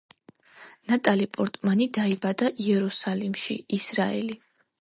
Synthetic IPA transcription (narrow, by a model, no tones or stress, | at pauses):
nat̪ʼalipʼɔɾt̪ʼmanid̪aibad̪aʔiɛɾusalimʃḭisɾaɛ̰li